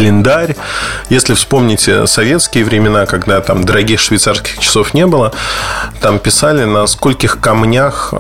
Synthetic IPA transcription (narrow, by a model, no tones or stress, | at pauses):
əlʲɪnd̪aɾʲjesʲlʲɪfspo̞mnʲɪtʲsɐvʲe̞t̪skʲɪːɪvɾʲɪmʲɪnakɐɡd̪at̪amd̪əɾɐɡʲixʂvʲɪjt̪sarskʲɪ̥xt͡ɕɪ̥so̞fnʲe̞bɨlˠət̪ampʲɪsalʲɪnɐsko̞lʲkʲɪxkɐmnʲax